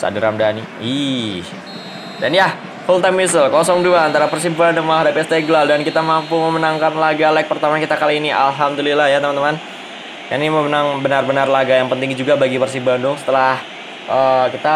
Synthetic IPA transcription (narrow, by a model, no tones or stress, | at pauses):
sa̰diɾamdani | ih | danja | fult̪ajmisəlkɔsɔŋduaːnt̪aɾapərs̬ibandʊŋmaɦadapist̪eɡlaldankit̪amampuməmənaŋkanlaɡalaik̚pərt̪amankit̪akaliːniʔalɦamd̪ulilahjat̪əmant̪əman | kaniməmənaŋbənarbənarlaɡajaŋpənt̪ɪŋd͡ʒuɡabaɡipərs̬ibandʊŋsə̥t̪əlah | ʔəkit̪a